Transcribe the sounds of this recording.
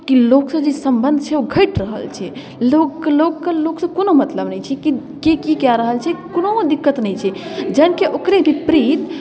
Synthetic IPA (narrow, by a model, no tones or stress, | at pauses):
kiloksəd͡ʒesəmbənd̪ʱt͡ʃʰɛoɡʱəɪʈɾəɦə̰lt͡ʃʰɛ | loklokkəloksəkonomət̪ləbnəjt͡ʃʰɛki | kekikɛɾəɦəlt͡ʃʰɛkonod̪ikːət̪nɛjt͡ʃʰɛd͡ʒəɪnkeʔokɾebʱipɾit̪